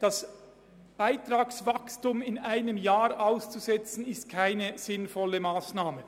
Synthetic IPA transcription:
d̥as | b̥aɪtraːksvakstʊmɪnaɪnəmjaːɾʔaʊst͡suzɛt͡sn̩ɪst̚kʰaɪnəz̥ɪnfɔləmaːsnaːmə

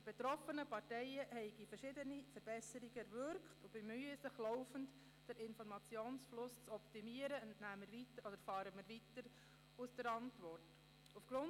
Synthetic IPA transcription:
d̥ib̥etɾɔfənəpɑɾtɛɪəhɛɪɡifəɾʃɪdənifəɾb̥ɛsəɾiɡəɛɾvʏɾkχtub̥ɛmyːəsɪχlɔʊfənt | d̥əɾɪnfɔɾmɑt͡sjoːnsflʊst͡sɔptimiːəɾəntnæːməɾʋitəɾɔd̥əɾfɑːɾəmɪɾʋitəɾ | usd̥əɾɑntʋɔrt | ufɡ̥ɾʊn

